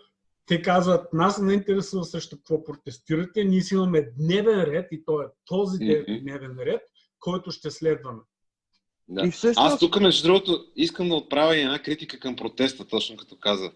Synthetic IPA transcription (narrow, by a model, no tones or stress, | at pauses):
t̪ɛkazvət̪nasnɛint̪ɛɾɛsuvɐsɾɛʃt̪okvɔpɾot̪ɛst̪iɾɐt̪ɛniɛsimɐmɛd̪nɛvɛnɾɛt̪it̪ɔɛt̪ɔzid̪ɛvd̪nɛvɛnɾɛt̪̚ | kʰɔjt̪ʊʃt̪ɛslɛd̪vɐmɛ | d̪aiɛast̪ukəmɛzʒdd̪ɾuɡot̪oiskəmd̪ɐot̪̚pɾavʲɐiɛdnakɾit̪ikəkɐmpɾot̪ɛst̪ət̪ɔt͡ʃnokɐ̥t̪ɔkazə